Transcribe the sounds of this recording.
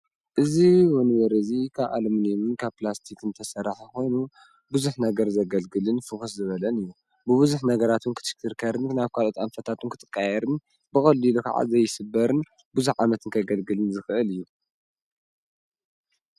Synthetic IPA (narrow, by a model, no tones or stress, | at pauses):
ʔɨziwɔnɨβɐɾɨɨzikʰaβʔa̰lmɨnjmɨnkʰaβplast̪ʰikʰɨnt̪ʰɐsɐɾaħaxʰo̞jnu | buzuħnɐɡɐɾzɐɡɐlɡɨlɨnfɨxɨszɨβɐlɐnɨjːu | bɨβɨzuħnɐɡɐɾat̪ʰunkʰɨ̥t̪ʃɨ̥kʰɨɾkʰɐɾɨnnaβkʰalot̪ʼanfɐt̪ʰat̪ʰunkʰɨt̪ʰʼɨ̥kʼːajɛɾɨn | bɨxʼɐlːilukʰa̰ʕa̰zɐjɪsɨbːɐɾɨn | buzuħʕamɐt̪ʰɨnkʰɐɡɐlɡɨlɨnzɨxɨʔɨlɨjːu